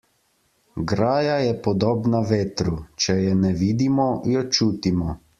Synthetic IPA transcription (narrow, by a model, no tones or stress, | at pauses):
ɡɾaːjajɛpɔd̪oːbnaʋeːt̪ɾut͡ʃɛjɛnɛʋiːd̪imɔjɔt͡ʃuːt̪imɔ